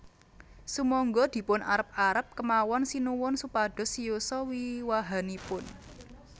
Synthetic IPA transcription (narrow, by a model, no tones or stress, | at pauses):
sumɔŋɡɔd̪̥i̤pʊnʔaɾəp̚aɾəp̚kəmawɔnsinuwʊnsupaɖ̥ɔ̤sijusɔwiwaɦanipʊn